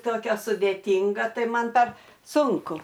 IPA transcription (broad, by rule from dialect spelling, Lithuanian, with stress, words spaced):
ˈtoːkʲɛ sʊdʲeːˈtʲɪŋɡɐ ˈtɐɪ ˈmɐn pɐr ˈsʊŋkʊ